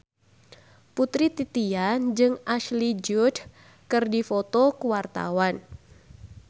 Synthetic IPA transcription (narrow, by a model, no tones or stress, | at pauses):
put̪ɾit̪it̪iand͡ʒɨŋaʃlid͡ʒud | kɨrdifɔt̪ɔkuwart̪a̰wan